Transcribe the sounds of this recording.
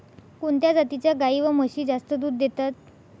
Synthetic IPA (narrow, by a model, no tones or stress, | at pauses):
koɳt̪jad͡zat̪it͡ɕjaɡaiʋəməɕiːd͡zast̪əd̪uːd̪ːet̪at̪̚